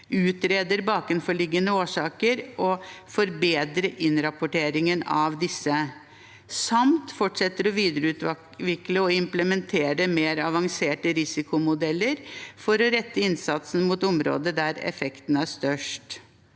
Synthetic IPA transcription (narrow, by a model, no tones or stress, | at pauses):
ʉːt̪ɾeːd̪əɾbɑːkɾʉnfɔɭɪɡːənəoːʂɑːkəɾɔfɔɾbeːd̪ɾəʔɪnɾɑpʊʈeːɾɪŋənɑʋd̪ɪsːə | sɑmt̪fɔʈʂɛt̪ːəɾɔʋiːd̪əɾəʉːt̪ | ʋɪkːləɔɪmpləmɛnt̪ʰeːɾəmeːɾɑʋɑŋseːʈəɾɪsɪkʊmʊd̪ɛlːəɾfɔɾɔɾɛt̪ːəɪnsɑt̪sn̩mut̪ʊmɾo̰ːd̪əd̪æɾɛ̰fɛkt̪n̩æʂt̪œʂʈ